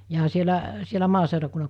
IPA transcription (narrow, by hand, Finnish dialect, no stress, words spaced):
jɑː sielæ sielæ mɑːseurɑkunːɑ